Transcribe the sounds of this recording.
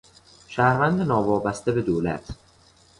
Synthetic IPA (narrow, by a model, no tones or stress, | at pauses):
ʃæhɾvænd̪enɒːvɒːbæst̪ebe̞d̪oːlæ̰t̪ʰ